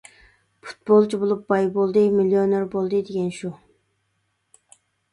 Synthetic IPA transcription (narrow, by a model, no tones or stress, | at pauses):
pʰu̥t̪̚bolˠt͡ʃʰibolˠup̚bɑjbolˠd̪ɨmilːijoneɾbolˠd̪ɨd̪eɡʲɛnʃu